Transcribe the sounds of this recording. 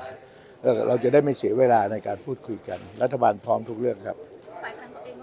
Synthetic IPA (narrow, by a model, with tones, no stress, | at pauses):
ʔɤː˧˩ɾʔa˧wt͡ɕa˨daː˥˩jmaː˥˧˩si˩˦weː˧laː˧na˧jkaː˧npʰuː˥˩t̪̚kʰu˧jka̰˧nɾa˦˥t̪ʰːa˧baː˧npʰɔː˦˥mt̪ʰu˦˥k̚ɾɯ˥˩əkʰɾa˦˥p̚